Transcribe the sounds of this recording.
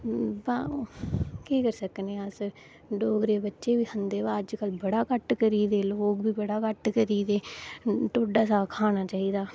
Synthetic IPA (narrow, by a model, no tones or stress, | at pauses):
bãː | kiːkəɾsəkneːasə | ɖoːɡɾeːbətːʃeːʋiːhənd̪eːbaːəd͡ʒkəlbəɽaːkəʈkəɾiːd̪eːloːkbiːbəɽaːkəʈkəɾiːd̪eːʈ̪oːɖaːsaːkʰaːñaːt͡ʃaːiːd̪aː